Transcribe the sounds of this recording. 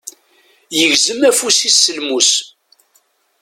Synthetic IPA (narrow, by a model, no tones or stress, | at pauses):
jəʝzəmæfusisːəlmus